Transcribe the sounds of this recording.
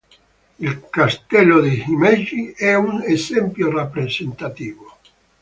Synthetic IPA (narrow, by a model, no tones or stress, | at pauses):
ilkast̪ɛlod̪ehimɛd͡ʒiɛunesɛmpjorepɾesent̪at̪iːvo